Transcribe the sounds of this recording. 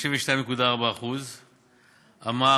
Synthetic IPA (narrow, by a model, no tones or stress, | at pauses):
ʃeveʃt̪ajmekud̪aːʁbaːχuz | ama